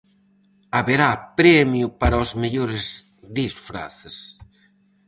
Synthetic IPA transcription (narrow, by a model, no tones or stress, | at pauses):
aβeɾapɾɛmjʊpaɾɐozmeʎoɾez | ðisfɾa̰θes